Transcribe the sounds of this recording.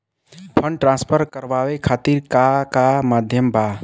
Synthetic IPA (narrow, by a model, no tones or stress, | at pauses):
pʰə̃ɳɖ̚ʈɾãːspʰəɾkəɾʋaʋekʰaːt̪iɾkakamaːd̪ʱjəmba